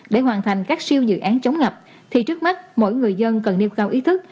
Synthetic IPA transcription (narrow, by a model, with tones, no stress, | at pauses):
ɗe˧˩ɦwaː˨˩nt̪ʰa˨˩jŋ̟kaː˦˥k̚si˧əwzɨ̰˧˨ʔaː˨˦nt͡ɕə˨˦wŋ͡mŋə˨˩p̚ | t̪ʰi˨˩t͡ɕɨ˦˥ək̚ma˦˥t̚mo̰˧˥jŋɨ˨˩əjzə˧nkə˨˩nːi˧wkaː˧wʔi˨˦t̪ʰɨ˦˥k̚